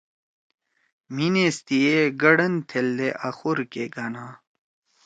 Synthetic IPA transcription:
minest̪ieɡɐɽɐnt̪ʰeld̪eʔɐxuɾkeɡɐnaː

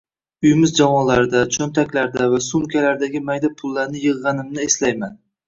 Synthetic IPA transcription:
ʊjmɪzd͡ʒavɒnlaɾɪd̪at͡ʃʰɵnt̪ʰakʲlaɾd̪avasʊmkʲʰalaɾd̪aɡʲɪmajd̪apʰʊlːaɾnɪjɨʁːɑnɪmnɪeslajman

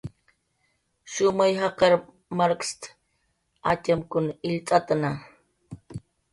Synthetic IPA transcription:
ʃʊmajɦɑqɑɾ | maɾkst̪ | at͡ʃamkʊnɪʎt̪ʼat̪ana

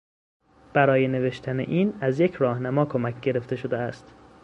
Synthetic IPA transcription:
b̥æɾɒːje̞ne̞ve̞ʃt̪ʰæne̞̰ʔiːnæzjecʰɾɒːhnæmɒːkʰomæcʰɟe̞ɾe̞ft̪e̞ʃo̞d̪eæst̪

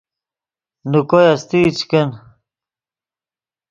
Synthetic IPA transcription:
nukojast̪it͡ɕken

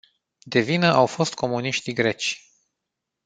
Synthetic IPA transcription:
d̪e̞vinəʔawfo̞st̪̚ko̞muniʃt̪iɡɾe̞t͡ʃʲ

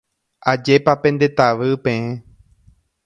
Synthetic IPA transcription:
ʔad͡ʒe̞papẽ̞nd̪e̞t̪aʋɨpẽẽ

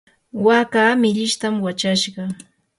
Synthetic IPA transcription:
wakaːmɪʎɪʃt̪amwat͡ʃaʃɢɑ

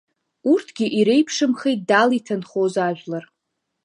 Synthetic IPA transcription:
urtʰɡʲɪʔiɾe̞jpʰʂɨmχejt̚dalitʰanχozaʒʷᶣlar

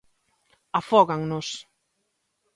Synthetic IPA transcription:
afɔɣaŋnos

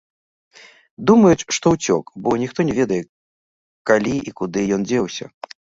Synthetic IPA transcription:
d̪umɐjut͡sʲʂt̪ɔwt͡sʲɔkbɔnʲixt̪ɔnʲɛvʲɛd̪ɐjɛ | kalʲiʔikud̪ɨjɔnd͡zʲɛwsʲɐ̰

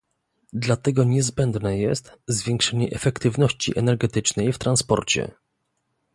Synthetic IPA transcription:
d̪lat̪ɛɡɔɲɛzbɛnd̪nɛjɛst̪zvʲjɛŋkʂɛɲɛʔɛfɛkt̪ɘvnɔɕt͡ɕḭʔɛnɛɾɡɛt̪ɘt͡ʂnɛjft̪ɾanspɔ̰ɾt͡ɕɛ̰

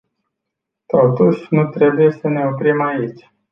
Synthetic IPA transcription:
t̪o̞t̪uʃʲnut̪ɾe̞buje̞səne̞opɾimait͡ʃʲ

